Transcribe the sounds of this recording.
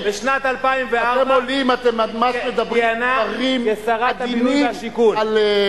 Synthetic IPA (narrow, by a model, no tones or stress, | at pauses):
beʃnat̪alpaimveaaemmolimat̪emamaʃmed̪abʁinaaʁimjesaʁaad̪iniʃikunal